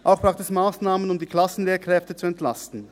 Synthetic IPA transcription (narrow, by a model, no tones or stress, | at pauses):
ʔaʊxb̥ʁaʊxtɛsmaːsnaːmənʊmdiːkʰl̥asn̩leːɐkʁ̥ɛftət͡suɛntlastn̩